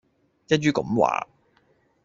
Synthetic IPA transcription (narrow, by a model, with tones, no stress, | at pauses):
t͡sɛ˥ɥyː˥kʊ̰˨˦mwa̰ː˨˥